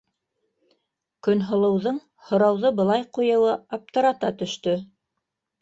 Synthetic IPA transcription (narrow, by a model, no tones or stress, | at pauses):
kɵ̆nɦŏlˠɤ̆wðɤɴ | hŏɾɑwðɤbɤ̆lˠɑjqujɤ̆wɤɑp̚t̪ɤ̆ɾɑt̪ɑt̪ɵ̆ʃt̪ɵ